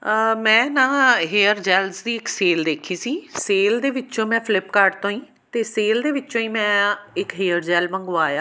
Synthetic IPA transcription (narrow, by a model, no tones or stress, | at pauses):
mɛ̃ːnãːɦeːəɾd͡ʒɛːlzd̪iːɪkseːld̪eːkʰiːsiːseːld̪eːʋɪt͡ʃõːmɛ̃ːpʰɪlɪpkaːɾɖt̪õːĩː | t̪eːseːld̪eːʋɪt͡ʃːt͡ʃõːĩːmɛ̃ːɪkɦeːəɾd͡ʒɛːlmə̃ŋɡoːaːjaː